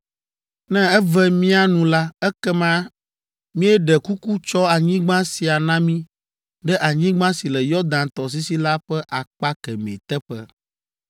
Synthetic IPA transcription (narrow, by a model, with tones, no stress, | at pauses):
nɛ̃˦ɛ˦vɛ˦mĩ˦a˦nũ˨la˦ɛ˦kɛ˦mã˦ | mĩ˦ɛ˦ɖɛ˨ku˦ku˦t͡ʃɔ˦a˨ɲĩ˦ɡ͡bã˦si˨a˨nã˦mĩ˦ | ɖɛ˦ʔa˨ɲĩ˦ɡ͡bã˦si˨lɛ˨jɔ˦d̪ã˨nt̪ɔ˨s̬i˦si˦la˦ɸɛ˦ʔa˨k͡pa˦kɛ˨mḛ̃˨t̪ɛ˦ɸɛ̰˦